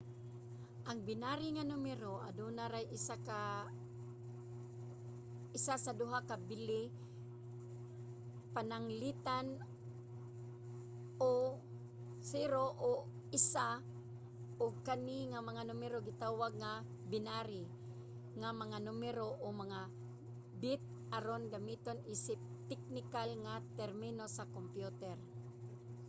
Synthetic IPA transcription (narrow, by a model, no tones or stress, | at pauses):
ʔaŋbɪnaɾɪŋanʊmɛɾoʔa̰d̪unaɾajʔɪsaka | ɪsasad̪ʊɦakabɪlɪ | panaŋlɪt̪an | o | sɪɾoʔo | ɪsa | ʔoɡ̚kaniŋamaŋanumɛɾoɡɪt̪aːwaɡ̚ŋa | bɪnaɾɪ | ŋamɐŋanʊmɛɾoʔomaŋa | bɪt̪̚ | aɾonɡamit̪onisɪp̚t̪ɛk̚nɪkalŋat̪ɛɾmɪnosakompjut̪ɛɾ